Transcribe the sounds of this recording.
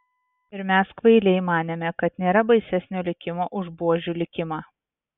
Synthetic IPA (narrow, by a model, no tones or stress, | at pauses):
ɪɾmʲæskʋɐɪlʲɛɪmɑːnʲeːmʲɛkɐt̪nʲeːɾɐbɐɪsʲæsʲnʲoːlʲɪkʲɪmoːʔʊʒbuɔʒʲulʲɪkʲɪmɑː